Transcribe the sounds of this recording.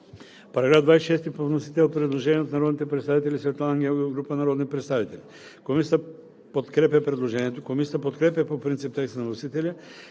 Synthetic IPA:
paɾaɡɾavd̪vajsʲʃɛst̪ipovnosit̪ɛlˠpɾɛd̪lˠoʒɛnɛot̪naɾɔd̪nit̪ɛpɾɛt̪st̪avit̪ɛlʲisvɛt̪lˠaŋɡɛɡɾupanaɾɔd̪nipɾɛt̪st̪avit̪ɛlʲi | komisa | pot̪kɾɛpɛpɾɛd̪lˠoʒɛɲʲɛt̪okomisit̪apot̪kɾɛpɛpopɾint̪sip̚t̪ɛksnavnosit̪ɛlʲi

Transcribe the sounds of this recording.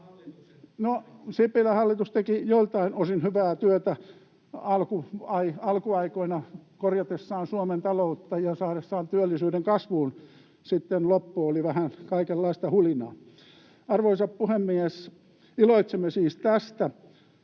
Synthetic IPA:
nosipːilæhɑlːit̪ust̪ekijolt̪ɑinosinhyʋæːt̪yøt̪æ | ɑlkuɑiɑlkuɑikoinɑkorjɑt̪esːɑːnsuoment̪ɑlout̪ːɑjɑsɑːɾesːɑːnt̪yølːisyːɾeŋkɑsʋuːn | sit̪ːenlopːuoliʋæhænkɑikelːɑist̪ɑhulinɑ̰ː | ɑrʋoisɑppuhemːies | iloit̪semːesiːst̪æst̪æ

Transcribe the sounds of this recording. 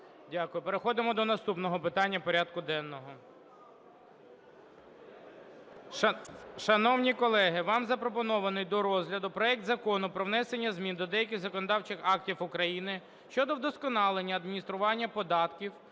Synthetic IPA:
dʲɑkʊjʊpeɾexɔd̪ɪmɔd̪ɔnɐst̪upnɔɦɔpɪt̪ɑnʲːɐpɔɾʲad̪̚kʊd̪ɛnːɔɦɔ | ʃɐnɔwnʲikɔlˠɛɦɪʋɑmzɐpɾɔpɔnɔʋɐnɪjd̪ɔɾɔzʲɦlʲɐd̪ʊpɾɔɛk̚t̪zɐkɔnʊpɾɔwnɛsenʲːɐzmʲind̪ɔd̪ɛjɐk̬ʲɪzɐkɔnɔd̪ɑwt͡ʃɪxɑktʲifʊkɾɐjinɪ | ʃt͡ʃɔd̪ɔwd̪ɔskɔnɑlˠenʲːɐːd̪minʲist̪ɾʊʋɑnʲːɐpɔd̪ɑt̪kʲiw

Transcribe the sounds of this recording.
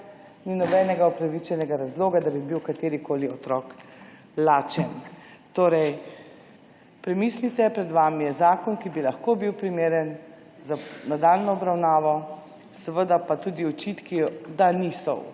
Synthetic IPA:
ninɔbɛːnɛɡaɔpɾaʋit͡ʃɛnɛɡaɾazloːɡad̪abibiwkat̪eːɾikoːliɔt̪ɾɔːk | laːt͡ʃɛnt̪oːɾɛj | pɾɛmiːslit̪ɛpɾɛd̪ʋamijɛzaːkɔnkibilaxkobiwpɾimeːɾɛn | zanad̪aːlnɔɔbɾawnaːʋɔ | səʋəd̪apat̪uːd̪iɔt͡ʃit̪kid̪anisɔ̰w

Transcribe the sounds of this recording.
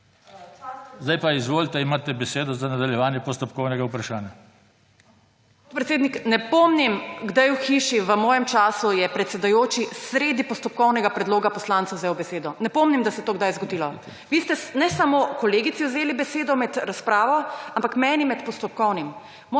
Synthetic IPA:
zd̪ajpaizʋoːlt̪ɛimaːt̪ɛbɛseːd̪ɔzanad̪aljɛʋaːnjɛpɔst̪ɔpkɔwnɛɡaupɾaʃaːnja | t̪̚pɾɛt̪eːd̪niknɛpɔmnimɡd̪ajuxiːʃiʋəmɔːjɛmt͡ʃaːsujɛpɾɛt̪sɛd̪ajoːt͡ʃisɾeːd̪ipɔst̪ɔp̚kɔwnɛɡapɾɛd̪loːɡapɔslãnt̪ɐwzewbɛseːd̪ɔnɛpɔːmnimd̪asɛjt̪oːɡd̪ajzɡɔd̪iːlɔ | ʋiːst̪ɛnɛsamokɔleːɡit̪siwzeːlibɛseːd̪ɔmɛd̪ɾaspɾaːʋɔampakmɛːnimɛt̪pɔst̪ɔp̚kɔwnim | mː

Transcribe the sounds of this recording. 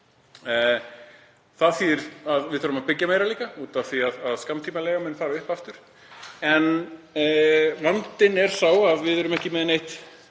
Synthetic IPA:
θaðθiɾ̥aðvɪðθœɾʏmaðpɪcːameːjɾaliːkauːt̪aθiaðaðskamt̪ʰiːmalɛːɣamɛnfaːɾaʏhpaft̪ʏɾ̥ | ɛn | lant̪ɪnɛɾ̥θawaðvɪðœɾʏmɛhcɪmɛðɪnejht̪

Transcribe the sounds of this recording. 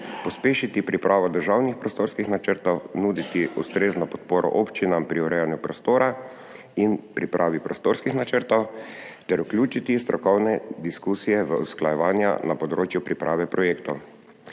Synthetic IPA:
pɔspeːʃit̪ipɾipɾʔaːʋɔd̪əɾʒawnixpɾɔst̪oːɾskixnat͡ʃəɾt̪ɔwnuːd̪it̪iust̪ɾeːznɔpɔt̪̚poːɾʔɔ̰ʔopt͡ʃinampɾiuɾɛjanjupɾɔst̪oːɾa | inpɾipɾʔaːʋipɾɔst̪oːɾskixnat͡ʃəɾt̪ɔwt̪ɛɾuklʲjuːt͡ʃit̪ist̪ɾɔkɔwnɛd̪iskuːsijɛʋəusklajɛʋaːnja̰napɔd̪ɾoːt͡ʃjupɾipɾaːʋɛpɾɔjeːkt̪ɔw

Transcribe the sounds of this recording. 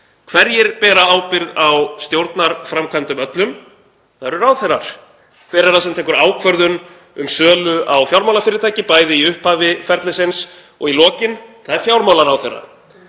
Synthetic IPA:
kʰvɛɾjɪɾpɛːɾaaːwpɪɾðawst̪jowɾt̪naɾfɾamkʰajnt̪ʏmœt̪lʏm | θaðɛɾʏɾawθejɾa̰ɾ̥ | kʰfejɾɛɾasɛmt̪ʰɛːŋkʏɾaːwkʰvœɾðʏn | ʏmsœːlʏʔawfjawɾmawlafɪːɾɪɾt̪ʰaːjcɪpaːjðɪiʏhphaːvɪfɛɾt̪lɪsɪns | ɔɣilɔːcɪnθaðɛɾ̥fjawɾmawlaɾawθejrːa̰ɾ

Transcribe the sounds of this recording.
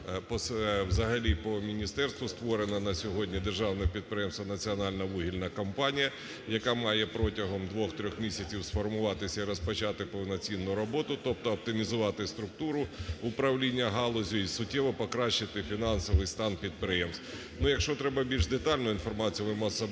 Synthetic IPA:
pɔswzɐɦɐlʲipɔmʲinʲist̪ɛrst̪ʋʊst̪ʋɔɾenɐnɐsʲɔɦɔdʲnʲid̪erʒɑwnɔpʲid̪̚pɾɪjɛmst̪ʋɐnɐt͡sʲiɔnɑlʲnɐʋuɦʲilʲnɐkɐmpɑnʲijɐ | jɐkɑmɑjɛpɾɔtʲɐɦɔmd̪ʋɔxt̪ɾʲɔxmʲisʲɐt͡sʲiwsfɔrmʊʋɑt̪ɪsʲɐiɾɔspɐt͡ʃɑt̪ɪpɔwnɐt͡sʲinːʊɾɔbɔt̪ʊt̪ɔp̚t̪ɔɐp̚t̪ɪmʲizʊʋɑt̪ɪst̪ɾʊk̚t̪uɾʊʊpɾɐwlʲinʲːɐɦɑlˠɔzʲʊisʊtʲːɛʋɔpɔkɾɑʃːɪt̪ɪfʲinɑnsɔʋɪjst̪ɑnpʲid̪̚pɾɪjɛmst̪ | nujɐkʃt͡ʃɔt̪ɾɛbɐbʲilʲʒd̪et̪ɑlʲnʊinfɔrmɑt͡sʲijuʋɪmɔsɐ

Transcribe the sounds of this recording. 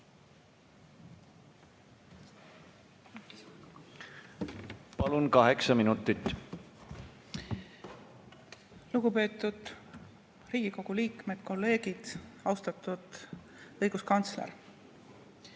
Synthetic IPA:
pɑlunkɑɦeksɑminut̪ːˑit̪ːˑ | luɡ̥upe̞ːt̪ːˑud̪̥ | riːɡ̥iko̞ɡ̥uliːkme̞d̪̥ko̞lːe̞ːɡ̥id̪̥ɑwst̪ɑt̪ːˑud̪̥ | ɤjɡ̥uskɑnt̪slḛɾ

